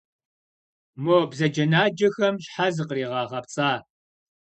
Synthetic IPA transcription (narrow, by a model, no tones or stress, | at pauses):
moːbzɐd͡ʒɐnaːd͡ʒɐxɐmɕħazɨqəriːʁɑːʁɐpt͡sʼaː